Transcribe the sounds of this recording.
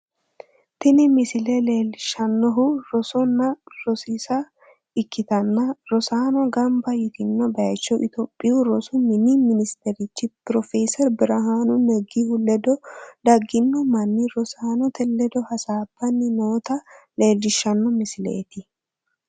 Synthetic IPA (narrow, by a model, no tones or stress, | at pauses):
t̪ɪnɪmɪsɪlele̞ːlːɪʃɐnːɔɦʊɾɔsɔnːɐɾɔsisɐ | ɪkːɪt̪ɐnːɐɾɔsaːnɔɡɐmbɐjɪt̪ɪnːɔbɐt͡ʃːɔʔɪt̪ɔːpʼːɪʊɾɔsʊmɪnimɪnɪst̪ɛɾɪt͡ʃːɪpɾɔfɛːsɛɾbɪɾɐɦaːnʊnɛɡːihʊlɛd̪ɔd̪ɐɡːɪnːɔmɐnːiɾɔsaːnɔt̪ʰɛlːɛd̪ɔhɐsaːb̥ːɐnːɪnoːt̪ɐle̞ːlːɪʃːɐnːɔmɪsɪlḛːt̪ɪ